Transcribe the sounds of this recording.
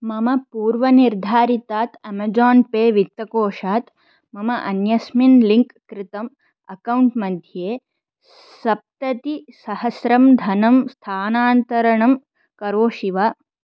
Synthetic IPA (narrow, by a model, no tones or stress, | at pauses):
mɐmɐpuːɾʋɐniɾd̪ʱaːɾit̪aːt̪ɐmɐd͡ʒaːnpeːʋik̚t̪ːɐkoːʂaːt̪ | mɐmɐʔɐnjɐsminliŋkːɾɪt̪ɐm | ɐkɐwɳʈmɐd̪ʱjeː | sɐp̚t̪ɐt̪isɐhɐsɾɐmd̪ʱɐnɐmst̪ʰaːnaːnt̪ɐɾɐɳɐm | kɐɾoːʃiʋaː